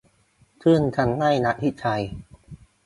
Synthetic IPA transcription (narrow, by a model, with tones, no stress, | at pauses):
tʰɯ˥˩ənt͡ɕʰa˦˥nla˥˩jna˦˥ʔ̚t̪ʰi˦˥t͡ɕʰa˧j